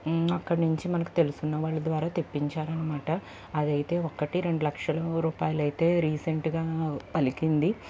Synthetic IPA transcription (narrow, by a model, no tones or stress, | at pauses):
ɐkːɐɽnuɲt͡ʃimɐnɐku̥t̪e̞lusunːɐʋaːɭːɐd̪ʋaːɾaːt̪epːiɲt͡ʃaːɾɐnːɐmaːʈɐː | d̪ɐjit̪e̞ːokɐʈiɾe̞ɳɖulɐkʂɐlɐɾuːpaːjɐlɐjt̪e̞ːɾiːseɳʈɡaːpɐlikind̪i